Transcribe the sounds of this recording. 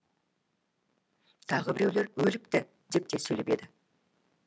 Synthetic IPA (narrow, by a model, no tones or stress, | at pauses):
t̪ʰɑʁəbɪɾe̞wle̞ɾwɵlɪk̚t̪ɪ | d̪e̞p̚t̪e̞sɵjle̞pe̞d̪ɪ